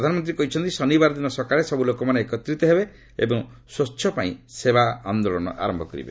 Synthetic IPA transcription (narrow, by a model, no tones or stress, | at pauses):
d̪ʱanɔmɔnt̪ɾikɔɦit͡ʃʰɔnt̪isɔnibaɾɔd̪inɔsɔkaɾesɔbulokɔmaneekɔt̪ɾit̪ɔɦebe | ḛbɔŋ | sot͡ʃːʰɔpaḭ̃sebaand̪olɔnɔ̰ʔa̰ɾɔmbʱɔkɔɾḭbḛ